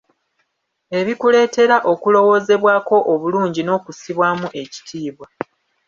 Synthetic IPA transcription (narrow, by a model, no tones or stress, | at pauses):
e̞βikule̞ːte̞ɾaʔo̞kulo̞wo̞ːze̞βwaːko̞ʔoβuluːɲɟino̞ːkusiβwaːmuʔe̞ci̥tʰiːβwa